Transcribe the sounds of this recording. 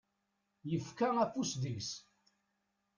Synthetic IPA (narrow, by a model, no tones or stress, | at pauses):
jəfkaæfusðəʝs